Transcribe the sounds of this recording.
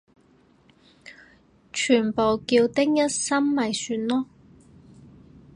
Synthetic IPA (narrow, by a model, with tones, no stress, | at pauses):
t͡ʃʰyː˨˩npo˨wkiː˧wt̪ɪ˥k̚jɐ˥t̚sɐ˥mːɐ˨jsyː˧nlɔː˥